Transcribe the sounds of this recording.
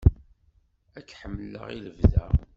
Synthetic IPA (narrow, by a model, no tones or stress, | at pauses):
ækːħəmːəlːə̰ʁḭləvðæ̰